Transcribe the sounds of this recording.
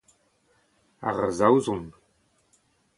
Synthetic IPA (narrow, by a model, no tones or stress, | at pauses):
a̰ʁəzawzum